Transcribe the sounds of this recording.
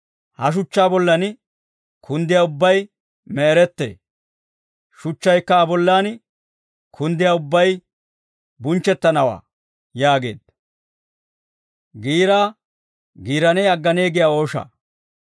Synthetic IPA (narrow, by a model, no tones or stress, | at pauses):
hɐʃ̬ʊt͡ʃːaːbɔlːɐn | kʰʊnd̪ɪjaːʊbːɐj | mɛːɾɛt̪ːḛː | ʃʊt͡ʃːɐjkːɐːbɔlːaːn | kʰʊnd̪ɪjaːʊbːɐj | bʊnt͡ʃːɛt̪ːɐnɐwa̰ː | jaːɡe̞̰ːd̪̥ | ɡiːɾaː | ɡiːɾɐnɛjɐɡːɐneːɡɪjaːo̞ːʃɐ̰